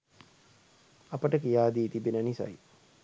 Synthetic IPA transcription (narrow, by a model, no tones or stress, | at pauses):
apəʈəkijaːd̪iːt̪ibinənisa̰j